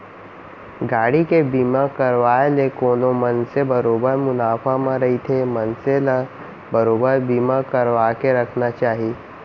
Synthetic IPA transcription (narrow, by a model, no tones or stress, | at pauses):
ɡaːɽikebiːmakɐɾʋaːelekoːnomɐnsebɐɾoːbəɾmʊnaːfʰamãɾɐɦit̪ʰemɐnselə | bɐɾoːbəɾbiːmakɐɾʋaːkeɾɐkʰnat͡ʃaːɦi